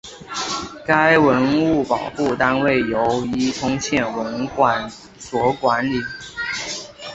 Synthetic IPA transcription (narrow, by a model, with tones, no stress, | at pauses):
ka˥ɪwə˧˥nu˥˩pɑ˨˩ʊxu˥˩t̪a˥nwe˥˩ɪjo˧˥ʊi˥t̪ʰʊ˥ŋt͡ɕʰjɛ˥˩nwə˧˥nkwa˨˩n | swɔ˧˥kwa˧˥nli˨˩˦